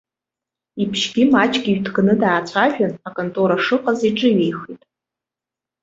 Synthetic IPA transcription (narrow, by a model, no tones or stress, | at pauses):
ipʰʃɡʲimat͡ʃʼɡʲiɥdɡnɨdaːt͡ɕʷʰaʒᶣanakʼontʼuɾaʂɨqʼaziʈ͡ʂʼɨɥejχitʼ